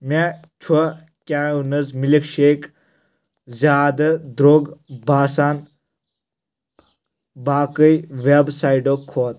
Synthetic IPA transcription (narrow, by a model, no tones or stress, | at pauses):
mʲa | t͡ʃʰwɐ | kʲaːunɐzmilikʃeːk | zʲaːd̪ɐd̪ɾoːɡbʱaːsaːn | baːkəjʋebsaːiɖokʰːoːt̪